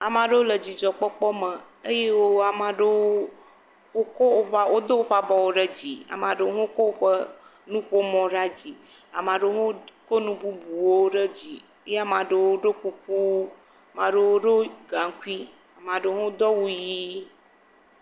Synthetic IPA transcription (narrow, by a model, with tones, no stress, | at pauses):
a˨mã˨ɖe˦wo˦lə˨d͡ʑi˨d͡ʒɔ˨k͡pɔ˦k͡pɔ˦mə̃˨ | e˦je˦wo˦a˨mã˨ɖe˦wo˦ | wo˦ko˦o˨ɸa˦wo˦d̪o˦wo˦ɸa˦bɔ˨wo˦ɖə˦d͡ʑi˨a̰˨mã˨ɖe˦wo˦ɦõ˦ko˦wo˦ɸə˦ | nũ˦ɸo˦mɔ̃˨ɖa˦d͡ʑi˨ | a˨mã˨ɖe˦o˦ɦõ˦ko˦nũ˦bu˦bu˨wo˦ɖə˦d͡ʑi˨ | e˦je˦a˨mã˨ɖe˦˨wo˦ɖo˦ku˦ku˦ | a˨mã˨ɖe˦wo˦ɖo˦ɡa˨ŋ˦ku˦i˦ | a˨mã˨ɖe˦ɦõ˦d̪ɔ˦wu˦ji˦